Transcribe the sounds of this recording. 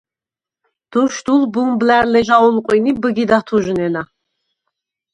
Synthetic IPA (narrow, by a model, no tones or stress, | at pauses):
d̪̥ɔʃd̪ulbuŋblæɾlɛʒaulˠqʷʼinibɨɡid̪at̪ʰuʒɨnɛna